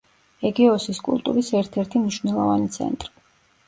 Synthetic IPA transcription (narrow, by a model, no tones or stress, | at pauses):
ɛɡiɔsiskʼṵlˠt̪ʼṵɾisɛɾt̪ʰɛɾt̪ʰimniʃvnɛlˠɔvanit̪sʰɛ̰nt̪ʼɾi̥